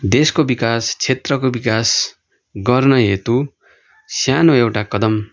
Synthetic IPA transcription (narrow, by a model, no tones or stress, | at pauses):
d̪eskobikast͡sʰet̪rʌkobikas | ɡʌrnʌɦet̪u | sjanoewʈakʌd̪ʌm